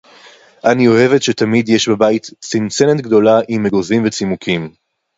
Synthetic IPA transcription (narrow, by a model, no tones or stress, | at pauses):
ʔanio̞e̞ve̞tʃetamidjeʃbabaitsint͡senetɡd̪o̞laʔimeɡozimvet͡simukʰim